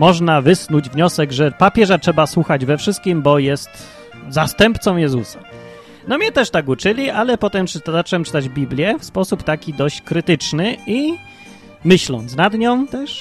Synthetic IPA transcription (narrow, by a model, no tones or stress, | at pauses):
mɔʐnavɘsnud͡ʑvɲɔsɛɡʐɛpapʲjɛʐatʂɛbaswuxad͡ʑvɛfʂɘst̪̚kʲimbɔjɛst̪ | zast̪ɛmpt̪sɔ̃w̃jɛzusa | nɔmʲɲɛt̪ɛʂt̪aɡut͡ʂɘlʲialɛpɔt̪ɛmpt̪zat͡ʂɛwɛmpt͡ʂɘ̥t̪ad͡ʑbʲiblʲjɛfspɔsupt̪akʲid̪ɔɕt͡ɕkɾɘt̪ɘt͡ʂnɘi | mɘɕlɔnt̪snad̪ɲɔ̃w̃t̪ɛʂ